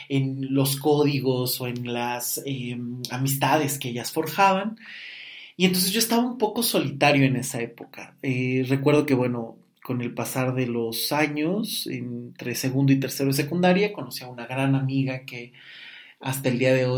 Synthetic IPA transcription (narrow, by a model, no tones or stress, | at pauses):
e̞nlo̞s̬ko̞ðiɣo̞so̞e̞nlasemamis̬t̪aðe̞ske̞eʝasfo̞ɾxaβan | ient̪o̞nse̞zʝoest̪aβaumpo̞ko̞so̞lit̪aɾjo̞e̞ne̞sae̞po̞ka̰ere̞kwe̞ɾð̞o̞ke̞βwe̞no̞ | ko̞ne̞lpasaɾðe̞lo̞saɲo̞sḛnt̪ɾe̞se̞ɣũnd̪oit̪e̞ɾse̞ɾoes̬e̞kund̪aɾjako̞no̞siaunaɣɾanamiɣake̞ | ast̪aeld̪iaðe̞o